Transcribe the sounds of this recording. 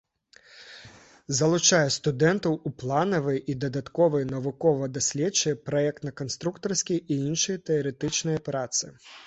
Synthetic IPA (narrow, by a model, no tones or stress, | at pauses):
zɐlˠʊt͡ʃajɛst̪ʊd̪ɛnt̪ɐwuplˠanɔʋɪjʔid̪ɐd̪ɐt̪kɔʋɔjnɐʋʊkɔʋɐd̪ɐsʲlʲɛt͡ʃːɛjɛpɾɔɛk̚t̪nɐkɔnst̪ɾukt̪ɔrsʲkʲijiinʃɔjɛt̪ɛɔɾɛt̪ɪt͡ʃnɔjɔpɾat̪sɨ